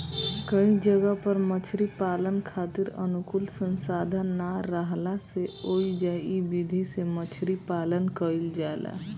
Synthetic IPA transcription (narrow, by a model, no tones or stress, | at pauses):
kəĩd͡ʒəɡəpəɾmət͡ʃʰɾipaːlənkʰaːt̪iɾə̰nukulsənsaːd̪ʱənːaɾəɦlaseoid͡ʒaibid̪ʱisemət͡ʃʰɾipaːlənkəild͡ʒaela̰